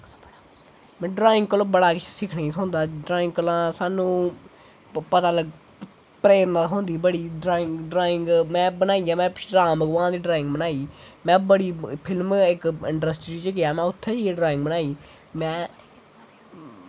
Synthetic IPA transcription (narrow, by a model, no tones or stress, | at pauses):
mɛ̃ːɖɾaːɪ̃ŋɡ̚kəlõːbəɽaːkɪt͡ʃʰːsɪkʰneːiːt̪ɦõːnd̪aːɖɾaːɪ̃ŋɡkəlãːsaːnũː | pət̪aːləɡ | pɾeːɾnat̪ɦõːnd̪iːbəɽiːɖɾaːɪ̃ŋɡɖɾaːɪ̃ŋɡmɛ̃ːbənaːiːjãːmɛ̃ːɾaːməɡʋãːd̪iːɖɾaːɪ̃ŋɡbənaːiːmɛ̃ːbəɽiːpʰɪlmɪkɪ̃ɳʈɾəsʈɾiːt͡ʃəɡɪjaːmɛ̃ːʊt̪ʰːeːd͡ʒiɖɾaːɪ̃ŋɡ̚bənaːiː | mɛ̃ː